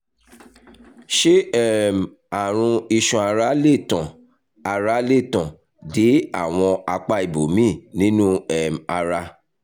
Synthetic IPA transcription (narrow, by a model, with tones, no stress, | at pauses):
ʃe˦ɛ˦˨m˨ | a˨ɾ̃ũ˧i˧ʃɔ̃˧˨a˧ɾa˨˦le˦˨tã˨ | a˧ɾa˦le˦˨tã˨ | de˨˦a˦˨w̃ɔ̃˧a˧k͡pa˧i˨bo˨mĩ˦˨nĩ˦nũ˦ɛ˨m˨a˧ɾa˧